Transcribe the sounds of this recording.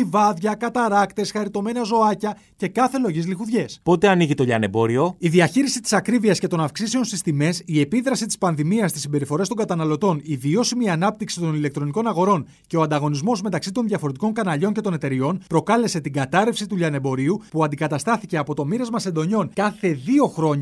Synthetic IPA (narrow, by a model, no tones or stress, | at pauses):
ivɐðʝɐkɐt̪ɐɾɐkt̪e̞sxɐɾit̪o̞me̞nɐzo̞ɐcɐ | ce̞kɐθe̞lo̞ʝizlixuðʝe̞spo̞t̪e̞ɐniʝit̪o̞ʎɐ̰ne̞bo̞ɾio̞iðiɐçiɾisit̪i̥sɐkɾiviɐsce̞t̪o̞nɐfksise̞o̞nsist̪ime̞sie̞piðɾɐsit̪i̥spɐnðimiɐst̪isːimbe̞ɾifo̞ɾet̪o̞ŋɡɐt̪ɐnɐlo̞t̪o̞nivio̞simiɐnɐp̚t̪iksit̪o̞nilekt̪ɾo̞niko̞nɐɣo̞ɾo̞ɲ | ce̞oɐnd̪ɐɣo̞nizmo̞zme̞t̪ɐksit̪o̞nðʝɐfo̞ɾet̪iko̞ŋkɐnɐʎo̞ɲce̞t̪o̞ne̞t̪e̞ɾio̞npɾo̞kɐle̞se̞t̪iŋɡɐt̪ɐɾe̞fsit̪uʎɐne̞bo̞ɾiupuɐnd̪ikɐt̪ɐst̪ɐθice̞ɐpo̞t̪o̞miɾɐzmɐse̞nd̪o̞ɲo̞nkɐθe̞ðio̞xɾo̞ɲɐ